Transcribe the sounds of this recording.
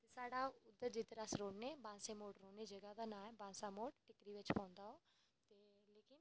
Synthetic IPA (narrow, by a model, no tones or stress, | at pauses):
t̪esaːɽaʊd̪əd͡ʑit̪ɾaːsɾoːɽnẽbãːsemoːʈɾoːned͡ʒɐɡad̪anãːbãːnsamoːʈʈɪkɾiʋɪt͡ʃpɔ̃ːnd̪aɦo | t̪eleːkɪn